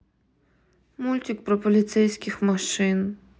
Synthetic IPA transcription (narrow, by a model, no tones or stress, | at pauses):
mulʲtʲikpɾɔpɔlʲit̪sɛjsʲkʲɪxmɔʃɪn